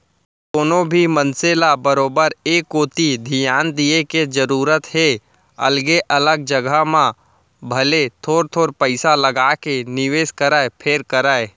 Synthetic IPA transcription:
koːnõbʱimənselabəɾoːbəɾeːkoːt̪id̪ʱijaːnd̪ieked͡ʒəɾuːɾət̪ɦe | ɐ̰lɡeʔɐləɡ̚d͡ʒəɡʱəmã | bʱɐlet̪ʰoːɾt̪ʰoːɾpəɪsaləɡaːkenɪʋeːʃkəɾəepʰeːɾkəɾəe

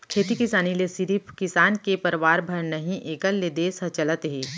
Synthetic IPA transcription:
kʰeːt̪ikɪsaːnilesɪɾipʰkɪsaːnkepɐɾʋaːɾbʱɐɾnɐɦĩʔeːkəlːed̪eːsɐ̃t͡ʃɐlət̪ɦeː

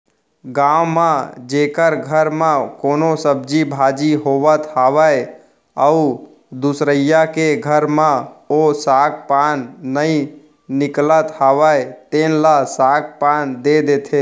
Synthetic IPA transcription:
ɡãːwmãd͡ʒeːkəɾɡʱəɾmãkoːnosəb̚d͡ʒibʱad͡ʒiɦoʋət̪haːʋəj | əu | d̪usɾəjakeɡʱəɾmãosaːɡ̚paːnːəĩ | nɪklət̪haːʋəet̪enlasaɡ̚paːnd̪ed̪et̪ʰe

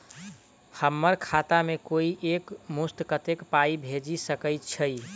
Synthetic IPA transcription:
həmːəɾkʰat̪amekoiʔekmust̪kət̪ekpaibʱed͡ʒisəkəjt̪t͡ʃʰəj

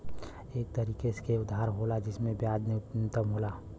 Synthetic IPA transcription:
eːk̚t̪əɾiːkeskeʊd̪ʱaːɾɦolad͡ʒɪsmẽbjaːd͡ʒnnɪt̪əmɦoːlaː

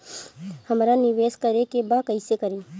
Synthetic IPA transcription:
hɐmɾanɪʋeːskəɾekebakɐɪsekɐɾeː

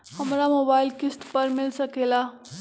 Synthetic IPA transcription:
həmɾamoːbaːɪlkisʈpəɾmɪlsəkela

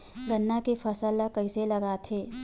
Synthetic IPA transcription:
ɡɐnːakefʰɐsəlakɐɪselɐɡaːt̪ʰɦeː

